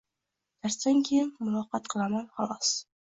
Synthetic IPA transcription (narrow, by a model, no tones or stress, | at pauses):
t̪ʰaɾsd̪ankʲʰejɪnmʊlˠɒqɑt̪̚qʰɨlˠamanχɑlˠɒs